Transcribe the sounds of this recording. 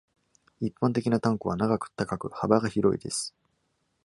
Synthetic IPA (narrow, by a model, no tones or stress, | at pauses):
ipːãnt̪̬e̞kʲinat̪ãŋkɯβanaɡakɯ̟̥t̪akakɯ̟habaɡaçiɾo̞̰ḭd̪e̞sɨ̥